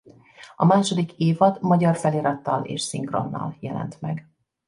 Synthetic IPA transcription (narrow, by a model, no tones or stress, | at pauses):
ɒmaːʃo̞d̪ikeːvɒt̪mɒɟɒrfɛliːɾɒt̪ːɒlḛːʃsiŋkro̞̰nːɒ̰ljɛlɛ̰nt̪mɛɡ